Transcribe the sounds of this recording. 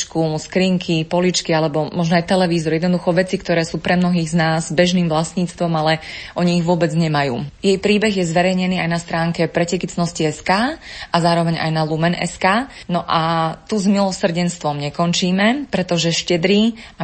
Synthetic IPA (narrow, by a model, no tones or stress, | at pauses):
t͡ʃkuskɾiːŋkʰipɔlit͡ʃkialɛbɔmɔʒnɔajt̪ɛlɛʋiːzɔɾjɛd̪nɔd̪uxɔʋɛt͡sikt̪ɔɾɛːsuːpɾʔɛmnɔɦiːɣznaːzbɛʒniːmʋlasɲiːt͡st̪ʋɔmalɛʔɔɲiːɣʋʊɔbɛd͡zɲɛmajṵːjɛjpɾiːbɛɣjɛzʋɛɾɛjɲɛniːajnast̪ɾaːŋkɛpɾɛcɛkit͡snɔsciɛskaːʔazaːɾɔʋɛɲa̰jnalumɛnʔɛ̰skaːnɔʔat̪uzmilɔsr̩ɟɛnst̪ʋɔmɲɛkɔnt͡ʃiːmɛpɾɛt̪ɔʒɛʃcɛd̪ɾia